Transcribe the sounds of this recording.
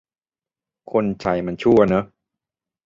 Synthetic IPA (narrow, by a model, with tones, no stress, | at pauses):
kʰo˧nt͡ɕʰa˧˩jma˧nt͡ɕʰu˥˩ɐna˦˥